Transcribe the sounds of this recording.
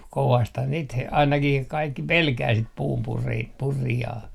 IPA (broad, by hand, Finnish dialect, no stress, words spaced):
koʋɑsthɑn niːt h ɑinɑkih kɑikːi pelkæː sit puːmpuri purijɑː